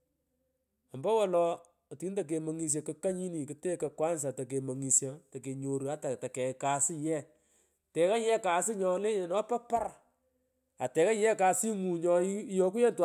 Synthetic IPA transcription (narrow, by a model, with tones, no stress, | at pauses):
ɔ˨mbɔ˦wɔ˨lɔ˧˨ | ti˨˦nta˨k̬e˨mo˨ŋi˨s̬je˨kɐ˨ka˦ɲi˦ni˨kɨ˨te˦kɐ˨kwa˦ns̬a˨tɐ˨k̬e˨mo˨ŋi˨sja˨tɐ˨ke˨ɲo˨ɾa˦ta˨ta˨kɛ˨ka˨sɪ˦jɛ˦˨ | tɛ˨ka˦jɛ˦ka˨sɪ˦ɲɔ˨le˦ɲe˨nɔ˦pa˦pa˦ɾ | a˨tɛ˨ka˦jɛ˦ka˨si˦ŋu˨ɲɔ˨˦jɔ˦ku˦ɛ˦ntw